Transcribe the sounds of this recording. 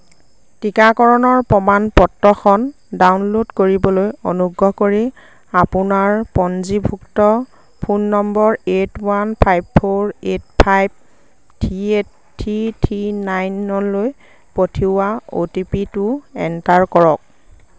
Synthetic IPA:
tikakɔɹɔnɔɹpɔmanpɔtɹɔxɔn | dawnlodkoɹibɔlojonuɡɔkoɹi | apʊnaɹpɔnzibʱuktɔ | pʰunːɔmbɔɹetwanpʰajbpʰoɹet̚pʰajb̚ | tʰiet | tʰːitʰinajnːɔloj | potʰiwao̰tipitʊɛ̰ntaɹkɔɹɔk̚

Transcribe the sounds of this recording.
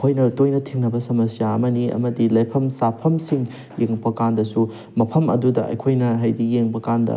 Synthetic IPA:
kʰojnɐtojnɐtʰiŋnɐbɐsɐmɐsijaɐmɐniɐ̰mɐdilɐjpʰɐmsapʰɐmsiŋ | jeŋpɐkandɐsu | mɐpʰɐmɐ̰dudɐ̰ʔɐ̰jkʰojnɐɦajdijeŋbɐkandɐ̰

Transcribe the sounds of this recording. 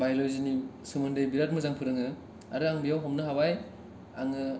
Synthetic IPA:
bajlɔjzinisɯmɔndejbiɾat̚mɯzaŋpʰɯɾɯŋɯ | a̰ɾɯaŋbijawɦɔmnɯɦabaj | a̰ŋɯ

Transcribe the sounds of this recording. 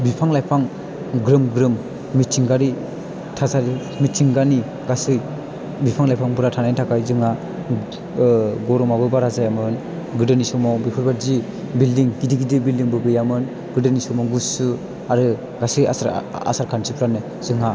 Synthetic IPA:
bipʰaŋlajpʰaŋ | ɡɾɯmɡɾɯmː | ittiŋɡaɾi | tʰasaɾi | mittiŋɡani | ɡasɯj | bipʰaŋlajpʰaŋbɯɾatʰanajntʰakajzɯŋa | ɡɔɾɔmabɯbaɾazajamɯn | ɡɯdɯnisɔmawbipʰɯɾbaɾzi | bildiŋkidiɡidibildiŋbɯɡɯjamɯn | ɡɯdɯnisɔmawɡusɯ | aɾɯ | ɡasɯja̰saa̰saɾkʰansipʰɾanɯ | zɯŋa

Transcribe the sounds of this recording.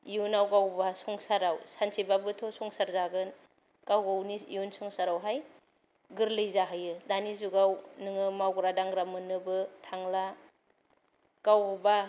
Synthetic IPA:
ijunawɡawbasɔŋsaɾawsansʰibabɯtʰɔsɔŋsaɾzaɡɯn | kawɡawniiunsɔŋsaɾawɦaj | ɡɯɾlɯjzaɦajɯdanizuɡawnɯŋɯmawɡɾadaŋɾamɯnɯbɯtʰaŋla | kawba

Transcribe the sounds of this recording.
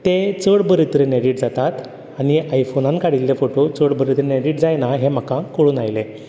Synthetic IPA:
t̪et͡səɽbəɾit̪ɾeneɽiʈ̚d͡zat̪at̪ | aɽ̃iajfonãnkaɽilːefoʈot͡səɽbəɾit̪ɾeneɽiʈd͡zajnaɦem̤əkãkoɽuːnajle

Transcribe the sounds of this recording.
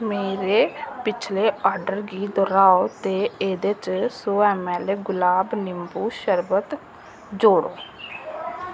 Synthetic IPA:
meːɾeːpɪt͡ʃʰleːaːɾɖəɾɡiːd̪ɔːɾaːot̪eːeːd̪et͡ʃsoːɛːmɛːleːɡʊlaːbnɪmbuːʃəɾbət̪ | d͡ʒoːɽoː

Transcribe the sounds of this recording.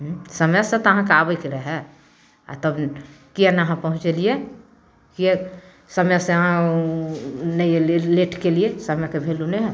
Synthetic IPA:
ɦsəmɛsẽt̪ɔəɦãkabəkeɾəɦɛ | a̰t̪əbkianaɦãpəɦũt͡ʃelije | kie | səmjɛsẽəɦã | nəjeleʈʰkeliesəmɛkebʱeluneɦɛ

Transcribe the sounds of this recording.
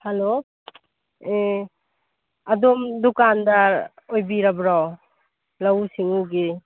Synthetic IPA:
halo | e | adɔmd̪ukand̪aɾ | ojbiɾabɾaw | lausiŋuɡe

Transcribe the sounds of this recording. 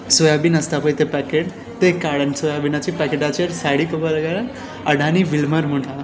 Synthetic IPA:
sojabinɐst̪apəjt̪epɛkeʈ | t̪ekːaɽənsojabinat͡ʃipɛkeʈat͡ʃʰɐɾsaɽikobəlɡaɾn | ɐɽʱaniʋilmɐɾmuʈʰa

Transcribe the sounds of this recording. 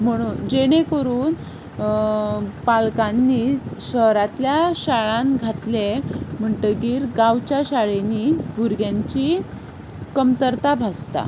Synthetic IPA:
m̤əɽ̃uːnd͡ʑeɽ̃ekəɾuːn | palkanːiɕəɦɾat̪ljaɕaɭãnɡʱat̪lem̤əɳʈəɡiːɾɡãwt͡ɕjaɕaɭenibʱuɾɡjãɲt͡ɕi | kəmt̪əɾt̪abʱast̪a̰

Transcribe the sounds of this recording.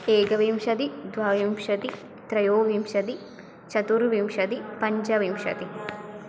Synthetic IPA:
eːɡɐʋimʃɐt̪id̪ʋaːʋimʂɐt̪i | t̪ɾɐjoːʋimʃɐt̪i | t͡ʃɐt̪uɾʋimʃɐt̪ipɐɲd͡ʒɐʋimʃɐ̰t̪i

